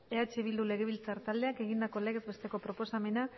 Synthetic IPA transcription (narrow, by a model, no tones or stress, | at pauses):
eat͡ʃiiβ̞ild̪ule̞ɣ̞e̞β̞ilt͡saɾt̪ald̪e̞ake̞ɣind̪ako̞leɣe̞zbe̞st̪e̞ko̞pɾo̞po̞same̞na